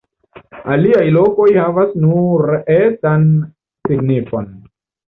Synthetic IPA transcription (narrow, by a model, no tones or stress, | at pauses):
aliajlo̞ko̞jhavasnuɾʔetan | siɡnifo̞n